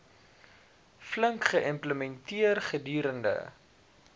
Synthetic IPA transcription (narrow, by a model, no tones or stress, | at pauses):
fləŋkχəʔəmpləmɛntiərχədiːɾəndə̰